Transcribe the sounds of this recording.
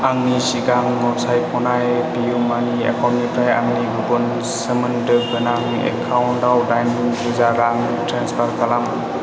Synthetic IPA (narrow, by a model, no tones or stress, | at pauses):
aŋnisiɡaŋnɔsajkʰɔnajpijumania̰kʰawnnipʰɾaja̰ŋnibubɔn | səmɯndɯɡɯnaŋ | ḛkʰawntawdajniŋbɯzaɾaŋ | tɾanspʰaɾkalam